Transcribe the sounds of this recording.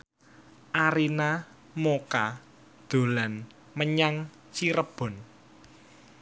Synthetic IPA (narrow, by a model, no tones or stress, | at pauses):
ʔaɾina | moka | d̪̥o̤lan | məɲaŋ | t͡ʃiɾəb̥ɔ̤n